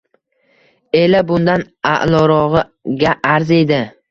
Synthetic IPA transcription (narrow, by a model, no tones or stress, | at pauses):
e̞labʊnd̪an | a̰ʔlˠɒɾɒʁɨ | ɡʲaʔaɾze̞d̪ɪ